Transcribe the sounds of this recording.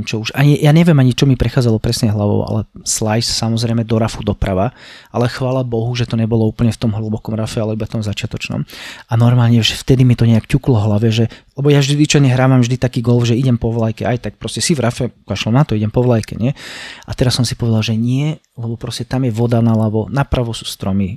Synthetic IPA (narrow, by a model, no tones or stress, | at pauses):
t͡ʃɔuʃaɲijaːɲɛʋjɛmaɲit͡ʃɔmipɾɛxaːd͡zalɔpɾɛsɲɛɦlaʋɔ̰ʊa̰lɛ̰slajssamɔzɾɛjmɛd̪ɔɾafud̪ɔpɾaʋaʔalɛxʋaːlabɔɦuʒɛt̪ɔɲɛbɔlɔuːpl̩ɲɛft̪ɔmɦl̩bɔkɔmɾafɛalɛibaft̪ɔmzat͡ʃɪat̪ɔt͡ʃnɔ̰manɔɾmaːlɲɛʒɛft̪ɛd̪imit̪ɔɲɛakcuklɔɦlaʋɛʒɛlɛbɔjavʒd̪iʋit͡ʃɔɲɛɦɾaːʋamvʒd̪it̪akiːɡɔlˠfʒɛiɟɛmpɔʋlajkɛajt̪ak̚pɾɔscɛsivɾafɛkaʃlɔnat̪ɔiɟɛmpɔʋlajkɛ̰ɲɪɛat̪ɛɾasːɔmsi̥pɔʋɛd̪alˠʒɛɲɪɛ | lɛbɔpɾɔscɛt̪amjɛʋɔd̪analaʋɔnapɾaʋɔsu̥ːst̪ɾɔmi